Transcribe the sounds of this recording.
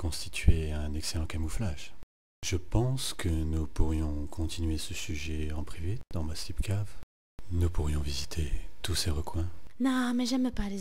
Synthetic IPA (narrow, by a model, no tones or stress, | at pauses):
kɔ̃st̪i̥t̪ʰɥeɛ̃nɛkselɑ̃kamuflaʒ | ʒ̥əpɑ̃skʰənupuʁjɔ̃kʰɔ̃t̪ʰinɥesəsyʒɛɑ̃pχived̪̥ɑ̃masipkav | nupuʁjɔ̃vizit̪ʰet̪useʁəkwɛ̃nɔ̃mɛʒɛmpale